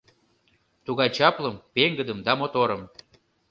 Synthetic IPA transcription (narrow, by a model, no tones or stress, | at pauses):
t̪uɣɑjt͡ɕɑpləmpeŋɡəd̪əmd̪ɑmot̪oɾəm